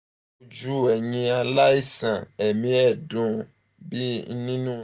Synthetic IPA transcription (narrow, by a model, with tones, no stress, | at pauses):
u˦d͡ʒu˦˨ɛ˨ɲĩ˦a˨la˦i˦sã˨e˨mĩ˦ɛ˦˨dũ˨ | bi˦nĩ˦nũ˦